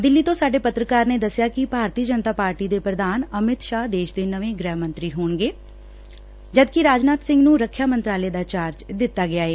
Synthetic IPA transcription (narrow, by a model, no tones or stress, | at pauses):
d̪ɪlːiːt̪õːsaːɖeːpət̪ɾəkaːɾneːd̪əsːɪjaːkɪbʱaːɾt̪iːd͡ʒənt̪aːpaːɾʈiːd̪eːpɾəd̪aːnəmɪt̪ʃaːɦd̪eːʃd̪eːnəʋẽːɡɾɛːɦmə̃nt̪ɾiːɦoːɳɡeː | d͡ʒəd̪kɪɾaːd͡ʒnaːt̪sɪ̃ŋɡnũːɾəkʰːjaːmənt̪ɾaːleːd̪aːt͡ʃaːɾd͡ʒd̪ɪt̪ːaːɡɪaːeː